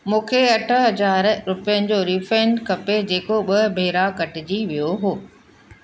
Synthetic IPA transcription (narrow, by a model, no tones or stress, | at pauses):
mũːkʰeɐʈʰəɦɐzaːɾɾʊpijənɪ̆d͡ʑoːɾiːfɾẽɳɖkɐped͡ʑeːkoɓɐɦbʱeːɾakɐʈɪd͡ʑiʋijoɦoː